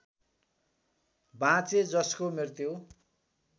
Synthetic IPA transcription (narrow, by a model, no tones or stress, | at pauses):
bãt͡sed͡zʌskomirt̪jo